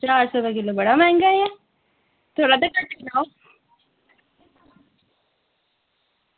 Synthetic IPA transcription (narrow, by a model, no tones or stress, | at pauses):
t͡ʃaːɾsɔt̪akɪlobəɽamɛ̃ːŋɡaja | t̪ʰoːɽaːt̪akəʈːnao